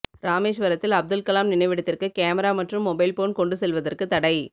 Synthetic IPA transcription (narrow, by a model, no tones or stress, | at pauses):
ɾaːmeːʃʋɐɾɐt̪ːɪlɐb̚d̪ɯlkɐlaːmnɪnɐɪʋɪɽɐt̪ːɪrkɯkeːmɐɾaːmɐʈrɯmːɔbɐɪlpoːnkɔɳɖɯsɛlʋɐðɐrkɯt̪ːɐɽɐɪ